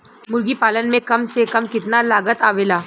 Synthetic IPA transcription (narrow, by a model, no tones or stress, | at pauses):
mʊɾɡiːpalənmẽkəmsekəmkɪt̪nalaɡət̪aʋela